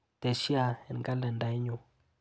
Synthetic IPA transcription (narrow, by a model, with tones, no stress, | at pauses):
te˨ʃi˦a˨ɛ˨n˨ka˦lə˨nda˦i˦ɲo˨